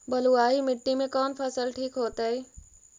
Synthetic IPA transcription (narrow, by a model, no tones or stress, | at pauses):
bɐluaːɦimɪʈːimẽkɔːnpʰɐsəlʈʰiːkɦoːt̪aɦɛː